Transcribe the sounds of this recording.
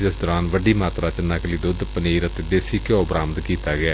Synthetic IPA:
d̪əsd̪ɔːɾaːnʋəɖiːmaːt̪ɾaːt͡ʃənːaːkliːd̪ʊd̪pəneːɾət̪eːd̪eːsiːkoːbɾaːmət̪kiːt̪aːɡɪaː

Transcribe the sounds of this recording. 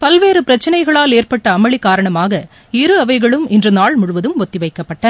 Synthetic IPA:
pɐlʋeːɾɯpɪɾɐt͡ʃːɐnɐɪɣɐɭaːleːrpɐʈːɐːmɐɭɪkːaːɾɐɳɐmaːɣɐ | ɪɾɯɐʋɐɪɣɐɭɯmɪndrɐnaːɭmʊɻʊʋɐðɯmɔt̪ːɪʋɐɪkːɐpːɐʈːɐ

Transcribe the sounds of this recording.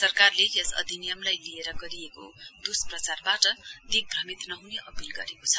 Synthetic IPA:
sʌrkarlejesʌ̰d̪ʱinijʌmlajlieɾʌɡʌɾijekod̪usprʌt͡sarbaʈʌd̪ik̚bʱrʌmit̪nʌɦuneʔʌpilɡʌɾekot͡sʰʌ̥

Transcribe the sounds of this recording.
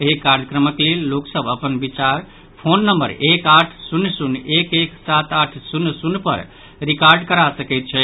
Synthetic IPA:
eɦekaɾd̪əkɾəməklelːoksəbəpənbit͡ʃaɾ | pʰonːəmbə̰ɾekaʈʰsunːsunekeksat̪aʈʰsunːsunːpə̰ɾ | ɾikaɾɖkəɾasəkɛɪt̪̚t͡ʃʰɛ

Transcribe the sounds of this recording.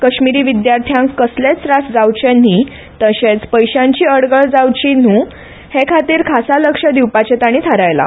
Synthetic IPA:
kəɕmiɾiːʋid̪jaɾt̪ʰjãŋkːəslet͡sɾasd͡zawt͡ɕen̤i | t̪əɕẽt͡spəjɕãɲt͡ɕiːəɽɡəɭd͡zawt͡ɕin̤uː | hekʰat̪iːɾkʰasaləkʂəd̪iwpat͡ɕet̪aɽ̃iːt̪ʰaɾajla̰

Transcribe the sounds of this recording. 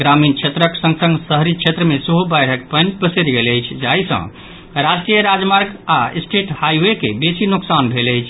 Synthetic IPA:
ɡɾamint͡ʃʰet̪ɾəksə̃ŋɡsə̃ŋɡsəɦɾit͡ʃʰet̪ɾəmesəɦubajɽ̤ʱək̚pənpəseɾɡeləjt͡ʃʰd͡ʒaisə̰̃ | ɾad͡ʒʈijəɾad͡ʒmaɾɡasʈeʈhajwekḛbesinuksanbʱeləjt͡ʃʰ

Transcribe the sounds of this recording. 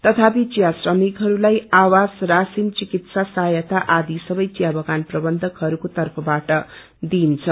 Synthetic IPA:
t̪ʌt̪ʰapit͡sjasrʌmikɦʌɾulajawasrasint͡sikit̪sasajʌt̪aʔad̪isʌbʌjt͡sjabʌɡanprʌbʌnd̪ʱʌkɦʌɾukot̪ʌrpʰʌbaʈʌ | d̪int͡sʰʌ

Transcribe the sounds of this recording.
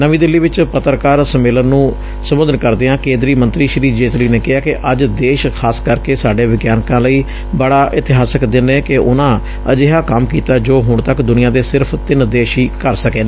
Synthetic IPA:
nəʋĩːd̪ɪlːiːʋɪt͡ʃpət̪ɾkaːɾsəmeːlənːũː | səmʊd̪ənkəɾd̪eːãːkẽːnd̪ɾiːmənt̪ɾiːʃɾiːd͡ʒeːt̪liːneːkɪɦaːkɪʔəd͡ʒd̪eːʃkʰaːskəɾkeːsaːɖeːʋɪɡjaːnkãːləiː | bəɽaːʔɪt̪ɪɦaːsəkd̪ɪnːeːkɪʔʊ̰nãː | əd͡ʒeɦaːkəmkiːt̪aːd͡ʒoːɦʊɳt̪əkd̪ʊnɪjãːd̪eːsɪɾpʰt̪ɪnd̪eːʃiːkəɾsəkeːnː

